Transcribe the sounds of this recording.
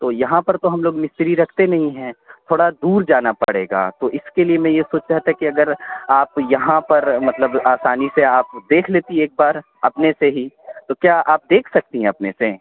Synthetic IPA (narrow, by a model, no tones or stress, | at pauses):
t̪oːjɐɦãpɐɾt̪oɦɐmloːɡmɪst̪ɾiɾɐkʰt̪enɐɦĩɦɛ̃t̪ʰoːɽad̪uːɾd͡ʒaːnapɐ̰ɽḛːɡa̰ːt̪oːʔɪskeliemɛ̃jesoːt͡ʃaːt̪ɛkiɐɡəɾaːpjɐɦãpɐɾmɐt̪ləbaːsaːniseaːpd̪eːkʰleːt̪ieːk̚baːɾ | ɐpneseɦit̪okjaːʔaːp̚d̪eːkʰsɐk̚t̪iɦɛ̃ɐpnese